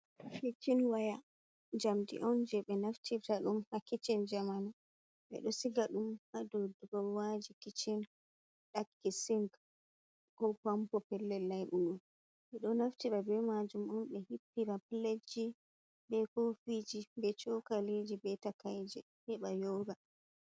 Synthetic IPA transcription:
kit͡ʃinwaja | d͡ʒamdḭʔɔnd͡ʒɛɓɛnaftʰitaɗumhakit͡ʃind͡ʒamana | ɓɛ̰ɗɔsiɡaɗumhadɔdɡɔwad͡ʒikit͡ʃin | ɗakːisiŋɡ | kɔpampɔpɛlːɛlːajɓuɗum | ɓɛɗɔnaftiɾabɛmad͡ʒumɔnɓɛhipːiɾapiled͡ʒi | bɛkofid͡ʒibɛt͡ʃɔkalid͡ʒibɛtakajd͡ʒɛ̰ | hɛɓajɔɡa

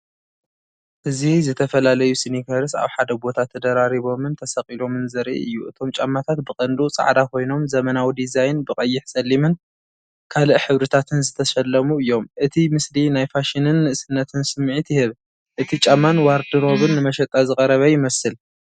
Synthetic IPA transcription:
ʔɨzizɨt̪ʰɐfɐlalɐjusinikʰɐɾɨsa̰βħad̪ɐbo̞t̪ʰat̪ʰːɐd̪ɐɾaɾiβo̞mɨnt̪ʰɐsɐqʼilo̞mɨnzɐɾʔḭɨjːuʔɨt̪ʰo̞mt͡ʃʼamːat̪ʰat̪̚bɨkʼɐnd̪ut͡sʼa̰ʕd̪akʰo̞jno̞mzɐmɐnawid̪izajnbɨkʼɐjːɪħsɐlːimɨn | kʰalɨʔħɨβɾɨt̪ʰat̪ʰɨnzɨt̪ʰɐʃɐlːɐmuɨjːo̞mʔɨt̪ʰimɨslinajfaʃinɨnːɨʔɨsɨnːɐt̪ʰɨnsɨmːʕit̪jɪhɨβ | ʔɨt̪ʰit͡ʃʼamːanwaɾd̪ɨɾo̞βɨnːɨmɐʃɐt̪ʼazɨkʼɐɾɐβɐjɪmɐsɨl

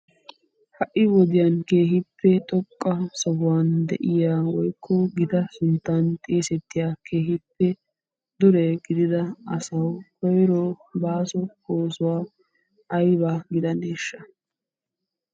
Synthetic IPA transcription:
hɐʔɪwɔd̪ɪjanke̞ːɦɪpːɛt̪ʼɔkʼːɐsɔɡʊwaːnd̪ɛ̰ʔɪjaːwɔjkʰːɔɡɪt̪ɐsʊnt̪ːant̪ʼeːsɛt̪ːɪjaːkʰe̞ːɦɪpːɛ | d̪ʊɾɛɡ̥ɪd̪ɪd̪ɐɐsɐwhɔjɾɔbaːsɔkoːsʊwaː | ʔɐjbaːɡɪd̪ɐneːʃːɐ

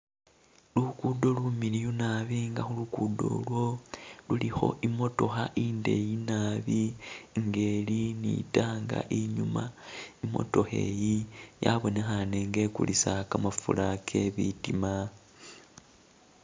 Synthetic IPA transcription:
lukudo̞lumilijunaβiŋɡaxulukudo̞̰lwo̞lulixo̞̰ʔimo̞to̞xaʔiːnde̞jinaβiŋɡe̞linḭtaːŋɡa̰ʔiɲumaimo̞̰to̞xe̞̰jijaβo̞ne̞xane̞ŋɡe̞kṵlisakamafṵlakʰe̞βitima

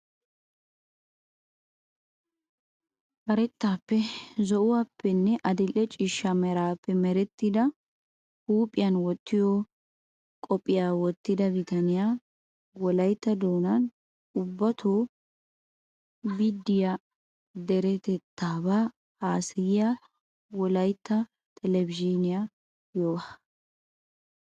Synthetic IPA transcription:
bɐɾɛt̪ːaːpːɛzɔʔʊwaːpːɛnːɛʔɐd̪ɪlːɛt͡ʃʼɪʃːɐmɛɾaːpːɛmɛɾɛt̪ːɪd̪ɐ | huːpʼːɪjɐnwɔt̪ːɪjoː | kʼɔpʼːɪjaːwɔt̪ːɪd̪ɐbɪt̪ɐnɪjaː | wɔlɐjt̪ːɐd̪oːnɐn | ʊbːɐt̪ʰoː | bɪd̪ːɪja | d̪ɛɾɛt̪ɛt̪ːaːbaː | aːsɪjɪja | wɔlɐjt̪ːɐ | t̪ʼɛlɛbɪd͡ʒinɪja | joːɐ

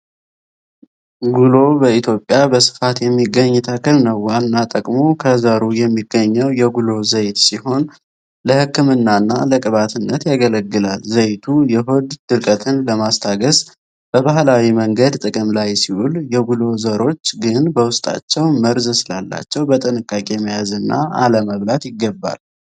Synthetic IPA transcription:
ɡulo̞bəit̪ʰjo̞pʼːjabəsɨ̥fat̪jɛmːiɡːəɲːt̪ʰakʰɨlnəwalnat̪ʼəkʼmo̞kʰəzaɾujɛmːiɡːəɲːɛwjɛɡulo̞zəjt̪siho̞n | ləhɨkːɨmɨnːanːaləkʼɨβat̪ʰɨnːət̪jaɡələɡːɨlalzəjt̪ʰujɛɦo̞d̪d̪̥ɨlkʼət̪ʰɨnləmast̪ʰaɡəz | b̥əβahlawiməŋɡəd̪t̪ʼɨkʼɨmlajsiwuljɛɡulo̞zəɾo̞t͡ʃːɡɨnbəwʊst̪ʼa̰t͡ʃːɛwməɾzɨsɨlalːa̰t͡ʃːɛwbət̪ʼɨnɨkʼːakʼe̞məjazɨnːa̰ʔa̰ləməβlat̪jɪɡːəbːa̰l

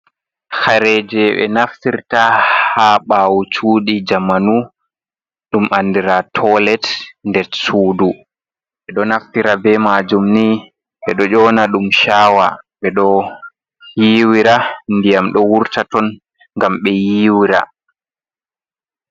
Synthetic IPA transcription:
xaɾɛd͡ʒɛɓɛ̰naftiɾtahaɓaːwut͡ʃuːɗid͡ʒamanu | ɗumʔandiɾatʰɔlɛtndɛɾsuːdu | ɓɛɗɔnaftiɾabɛmad͡ʒumni | ɓɓɛɗɔd͡ʒɔːnaɗumʃaːwaɓɛɗɔ | jiːwiɾandijamɗɔwuɾtatɔn | ŋɡamɓɛjiːwiɾa̰

